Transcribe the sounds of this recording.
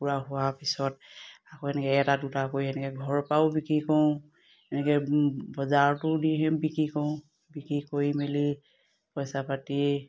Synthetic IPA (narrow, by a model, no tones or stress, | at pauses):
puɹaɦʊwapʰisɔtakoɛnɛkɛɛtadutakojɦɛnɛkɛɡʱɔɹpawbikɹikɔw̃ | ɛnɛkɛbɔzaɹtʊdiɦɛ̃bikɹikɔʊ̃ | bikikojmili | pɔjsapati